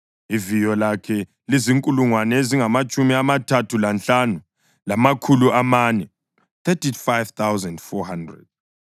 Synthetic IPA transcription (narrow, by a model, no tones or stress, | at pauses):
ivijɔlakʰɛ | liziŋkʼuluŋwanɛeziŋamat͡ʃʼumiamatʰatʰulant͡ɬanu | lamakʰuluamanɛ | θʰɛtifajv̥t̪ʰawzɛndfɔhandrɛ̰d̥̚